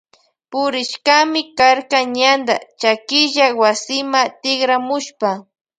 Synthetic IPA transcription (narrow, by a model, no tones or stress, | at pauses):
pʊɾɪʃkamɪkaɾkaɲand̪a̰t͡ʃakɪʒawasɪmat̪ɪɡɾamʊʃpa